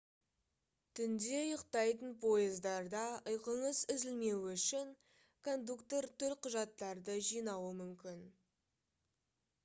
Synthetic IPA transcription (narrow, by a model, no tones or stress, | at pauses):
t̪ʰʏnd̪e̞jəqt̪ɑjt̪ənpʰo̞jəzd̪ɑɾd̪ɑəjqəɴəzɪzɪlme̞wʏʃɪŋ | kʰo̞nd̪ukt̪oɾt̪ʊɾqʰʊʒɑt̪ːɑɾd̪əʒijnɑwəmʏmkʲɪn